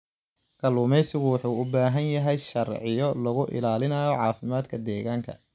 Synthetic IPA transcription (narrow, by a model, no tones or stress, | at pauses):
kʰɐluːmɛjsɪɣʊwɑħuːʊbaːɦɐnjɐɦɛjʃɐrʕɪjɔlɐɣʊʔɪ̰laːlɪnɐːjɔʕɑːfɪmaːd̪kʰɐd̪ɛːɣaːŋkʰɐ̰